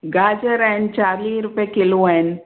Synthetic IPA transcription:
ɡaːd͡ʒəɾɛnt͡ʃaːɾliːɾʊpjekɪloɛn

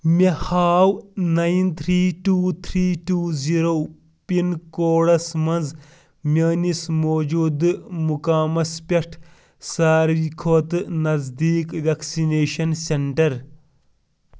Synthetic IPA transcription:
mehaːwnɐjint̪ʰɾiːʈuːt̪ʰɾiːʈuːziɾoː | pinkoːɽɐsmɐnz | mʲɐːnismoːd͡ʒuːd̪mukaːmɐspʲɐʈʰ | saːɾʋikʰoːt̪ɨnɐzd̪iːkʋɐksineːʃɐnseɳʈɐɾ

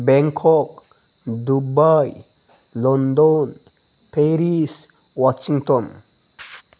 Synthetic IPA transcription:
bɛŋkʰɔk | d̪ubaj | lɔnd̪ɔn | pʰeɾis | wat͡ʃiŋt̪ɔn

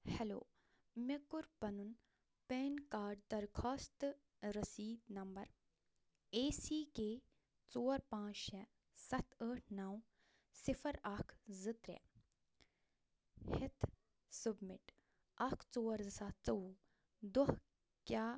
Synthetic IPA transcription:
hɛlo̰ː | mekuɾpɐnun | peːnkaːɾɖ̚d̪ɐɾkʰaːst̪ | ɾɐsiːd̪nɐmbɐɾ | eːsiːkeː | t͡soːɐɾpãːt͡ʃʃɛ | sɐt̪ʰəːʈʰnaw | sifʰɐɾakʰzɨt̪ɾḛ | hɪt̪ʰ | submɪʈ | ɐkʰt͡soːɐɾzɨsaːt͡sɐu | d̪oh | kjaː

